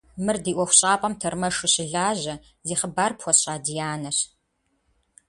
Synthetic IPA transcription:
mɨrdiːʔʷɔxʷɕʼaːpʼɐmtʰɐrmɐʂʊɕɪɮaːʑɐ | ziːχəbaːrpxʷɔɕʼaːdijaːnɐr

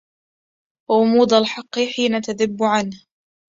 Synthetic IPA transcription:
wʔʊmuːd̪alħɑqːɨħiːnat̪aðɪbːʊʕanh

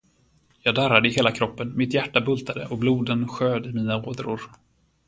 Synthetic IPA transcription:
jɑːɡd̪aɾad̪əɪɦeːlakʰɾɔpːənmɪt̪jæʈːabɵlt̪ʰad̪ə̰ʔɔbluːd̪ənɧøːd̪ɪmiːnaoːd̪ɾʊ̰ɾ

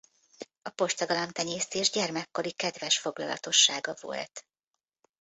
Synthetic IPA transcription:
ɒpo̞ʃt̪ɒɡɒlɒmt̪ɛɲeːst̪eːʒɟɛrmɛkːo̞ɾikɛd̪vɛʃfo̞ɡlɒ̰lɒ̰t̪o̞ʃːaːɡɒvo̞̰lt̪

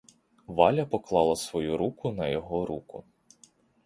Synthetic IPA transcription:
ʋɑlʲɐpɔklˠɑlˠɐsʋɔjuɾukʊnɐjɔɦɔɾukʊ̰

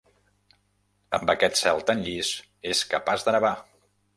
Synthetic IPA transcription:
ə̰mbəkɛt̪sɛlˠt̪ənʎis | eskəpazðənəβa

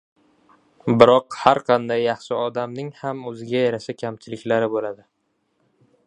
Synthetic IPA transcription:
bɪɾɒqhaɾqʰɑnd̪ajːɑχʃɪɒd̪amnɪŋhamɵzɪɡʲajaɾasakʲʰamt͡ʃʰɪlɪkʲlaɾɪbolad̪ɪ

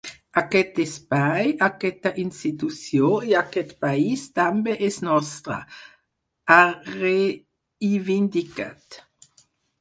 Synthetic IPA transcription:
akɛt̪espajakɛt̪aʔinst̪it̪ut͡sjoeakɛt̪paist̪ambeʔɛsnɔst̪ɾa̰ | aɾe | ivind̪ika̰t̪

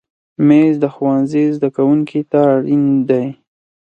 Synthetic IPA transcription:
mezd̪əxwanzezd̪akawuŋkit̪aɽind̪aj

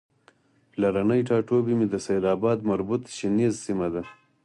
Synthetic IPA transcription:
plaɾanəjʈɑːʈobimid̪əsajɾɑːbɑːd̪maɾbut̪ʃinizsimad̪a

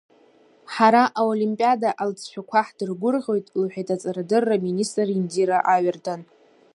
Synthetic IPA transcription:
ħaɾaʔaolimpʼijadaʔalt͡sʰʼʃʷᶣʰakʷʰaħd̥ɨrɡʷʊrʁʲo̞jtʼlħʷᶣatʼat͡sʼaɾadɨrːaministʼrindiɾaʔaɥartʰan

